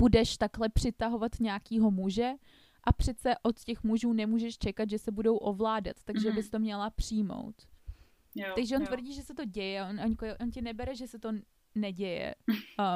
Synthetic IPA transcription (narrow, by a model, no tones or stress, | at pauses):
b̥udɛʃt̪aklɛpr̝̥ɪt̪aɦo̞vat̪ɲɛakiːɦo̞muʒɛ | ʔapr̝̥ɛt̪t͡sɛʔo̞t̪cɛxmuʒuːnɛmuːʒɛʃt͡ʃɛkat̪ʒɛsɛbudo̞wʔo̞vlaːda̰t̪ːaɡʒɛbɪst̪o̞mɲɛlapr̝̥ɪjmo̰wt̪ | t̪aɡʒɛont̪vr̩ɟiːʒɛsɛt̪o̞ɟɛjɛʔonoɲkoʔoncɛnɛbɛɾɛʒɛsɛt̪o̞ | nɛɟɛjɛ̰